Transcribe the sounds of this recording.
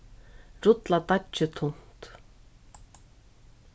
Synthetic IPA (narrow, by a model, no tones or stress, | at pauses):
ɾʊt̪lat̪at͡ʃːɪt̪ʰʊn̥t̪